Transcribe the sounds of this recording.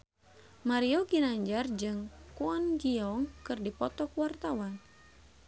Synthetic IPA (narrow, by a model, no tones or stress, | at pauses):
maɾioɡinaɲd͡ʒard͡ʒɨŋkuɔnɡiɔŋkɨrdipɔt̪ɔkwart̪awan